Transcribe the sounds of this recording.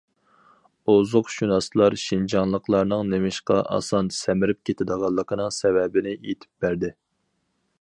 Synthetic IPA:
ozʊqʃunɑslˠɑɾʃind͡ʒɑŋlˠəqʰlˠɑɾnɨŋnemɪʃqɑ̰ʔɑ̰sɑnsɛmɪɾɪp̚kʲʰet̪ʰɪd̪əʁɑlˠːəqʰənɨŋsɛvɛbɪnɪet̪ʰɪ̥p̚bæɾd̪ɪ

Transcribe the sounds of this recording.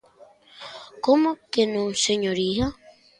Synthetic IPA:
komokenũseɲoɾiha

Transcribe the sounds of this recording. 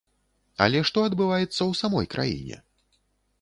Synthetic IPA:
a̰lʲɛʂt̪ɔɐd̪bɨvajɛt̪sːɐwsamɔjkɾʔa̰jḭnʲɛ̰

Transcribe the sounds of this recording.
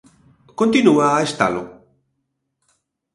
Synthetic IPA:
kont̪inuaːest̪a̰lo̰

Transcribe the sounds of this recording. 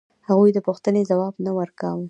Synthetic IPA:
haɣujd̪əpuxt̪ənezawɑbnawəɾkawə

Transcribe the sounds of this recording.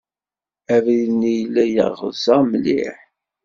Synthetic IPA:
ævinijlːæjə̰ʁʁə̰ðsæmlḭħ

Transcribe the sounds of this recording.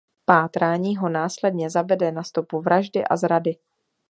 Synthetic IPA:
paːt̪ɾaːɲiːɦo̞naːslɛdɲɛzavɛdɛnast̪opuvɾʔaʒdɪʔa̰zɾadɪ

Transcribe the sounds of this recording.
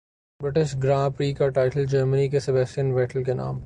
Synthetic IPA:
bɾɪʈɪʃɡɾãːpɾiːkɔʈaːɪʈəld͡ʒəɾmənikesɪbɛsʈijənʋɛːʈəlkenã̰ːm

